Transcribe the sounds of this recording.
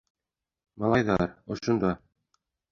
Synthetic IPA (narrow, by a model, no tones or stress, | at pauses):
mɑlˠɑjðɑɾŏʃŏnd̪ɑ